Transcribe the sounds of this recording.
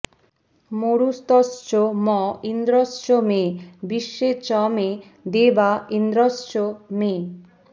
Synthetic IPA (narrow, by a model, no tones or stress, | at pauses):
moɾust̪ɔst͡ɕomɔind̪ɾɔsʃomebiʃːet͡ɕɔme | d̪ebaind̪ɾɔsʃome